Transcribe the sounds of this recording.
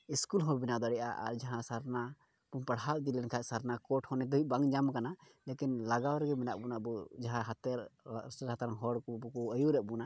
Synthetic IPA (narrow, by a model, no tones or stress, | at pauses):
iskulɦɔ̃binad̪aɽɛʔaʔa̰ɾd͡ʒaɦãsaɾna | pumpaɽɦald̪ilɛnkʰaʔsaɾnakɔʈhɔnɛd̪uibaŋd͡ʒamkana | lekinlaɡawɾɛɡɛmɛnaʔbunaʔbɔd͡ʒaɦãɦat̪ɛɾsɛɾɦat̪aɾaŋɦɔɽkɔbɔkɔəjuɾɛʔ̚buna